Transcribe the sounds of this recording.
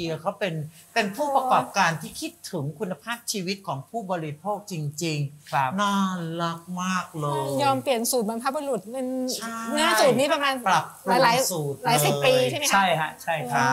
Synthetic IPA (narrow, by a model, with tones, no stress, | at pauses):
i˧ɐkʰa˦˥wpe˧npe˧npʰuː˥˩pɾa˧kɔː˨˩p̚kaː˧nt̪ʰiː˥˩kʰi˦˥t̪ʰːɯ˩˦ŋkʰu˧nːa˧pʰaː˥˩p̚t͡ɕʰiː˧wi˦˥t̪̚kʰɔː˩˦ŋpʰuː˥˩bɔː˧ɾi˦˥pʰoː˥˩k̚t͡ɕi˧ŋt͡ɕi˧ŋkʰa˦naː˥˩la˦˥k̚maː˥˩k̚lɤː˧jɔː˧mpli˨˩ənsuː˨˩t̪̚ba˧npʰa˦˥bu˧lu˨˩t̪̚ne˧nt͡ɕʰa˥˩nɯ˦˥ɐt͡ɕuː˨˩t̪̚niː˦˥pa˧maː˧npɾa˨˩plaː˨˦˧laː˧˩˦jsuː˨˩t̪̚laː˩˦jsi˨˩pːiː˧a˥˩ma˦˥t͡ɕʰa˥˩jkʰa˦˥t͡ɕʰa˥˩jkʰa˦˥